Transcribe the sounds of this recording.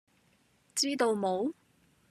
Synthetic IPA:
t͡siː˥t̪o˨˧wmo˨˧w

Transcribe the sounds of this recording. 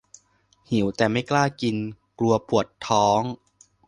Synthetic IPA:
hi˩˦wt̪ɛː˨˩ma˥˩jklaː˥˩ki˧n | klu˧ɐpu˨˩ət̪ʰɔː˦˥ŋ

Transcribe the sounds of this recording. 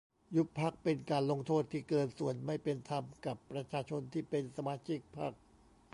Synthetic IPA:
ju˦˥pʰa˦˥˩k̚pe˧nkaː˧nlo˧ŋt̪ʰoː˥˩t̪ʰːiː˥˩kɤː˧nsu˨˩ənma˥˩jpe˧nt̪ʰa˧mka˨˩pːɾa˧t͡ɕʰaː˧t͡ɕʰo˧nt̪ʰiː˥˩pe˧nsa˧maː˧t͡ɕʰi˦˥˩k̚pʰa̰˥˩k̚

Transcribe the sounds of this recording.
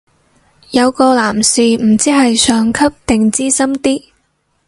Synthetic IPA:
jɐ˨˧wkɔː˧laː˨˩msiː˨m̩˨˩t͡siː˥ɦɐ˨jsœː˨˧ŋkʰɐ˥p̚t̪ɪ˨ŋt͡siː˥sɐ˥mt̪iː˥

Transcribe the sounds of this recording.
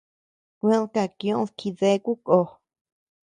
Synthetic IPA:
kʷẽ˦˧˦lka˧kjõ˧˦ðkʰi˧ðe˧˦˧ku˦ko˨˧

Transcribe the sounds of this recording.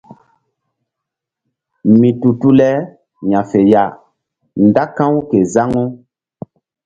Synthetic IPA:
mĩ˨tu˨tu˦lɛ˦ | ɲã˨fe˨ja˨ | nda˦kã˦wu˦ke˨za˦ŋɔ̃˦

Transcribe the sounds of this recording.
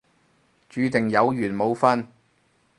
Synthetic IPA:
t͡ʃyː˨˧˥t̪ɪ˨˩ŋjɐ˨˧wjyː˨˩nmo˨˧wfɐ˥n

